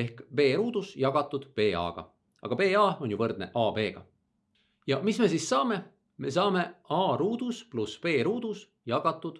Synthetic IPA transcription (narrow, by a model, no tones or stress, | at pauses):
e̞hkpe̞ːɾuːd̪̥usjɑɡ̥ɑt̪ːˑud̪̥pe̞ːɑ̰ːɡ̥ɑ̰ | ɑ̰ɡ̥ɑpe̞ːɑːo̞nʲjuvɤrd̪̥̚ne̞̰ʔɑːbe̞ːɡ̥ɑ̰ | jɑmisme̞sisːɑːme̞ | me̞sɑːme̞ɑːɾuːd̪uspluspe̞ːɾuːd̪̥us | jɑɡ̥ɑt̪ːˑud̪̥